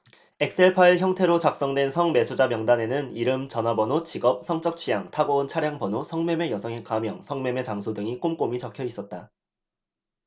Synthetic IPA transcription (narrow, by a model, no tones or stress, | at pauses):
e̞k̚s͈ʰe̞ɭpʰaiɭçjʌŋtʰe̞ɾot͡ɕak̚s͈ʌŋdwe̞nsʰʌŋme̞sʰud͡ʑamjʌŋdane̞nɯniɾɯmt͡ɕʌnabʌnot͡ɕiɡʌp̚sʰʌŋt͡ɕ͈ʌk̚t͡ɕʰijaŋtʰaɡount͡ɕʰaɾjaŋbʌnosʰʌŋme̞me̞jʌsʰʌŋekamjʌŋsʰʌŋme̞me̞t͡ɕaŋsʰodɯŋik͈omk͈omit͡ɕʌkʰjʌis͈ʌt̚t͈a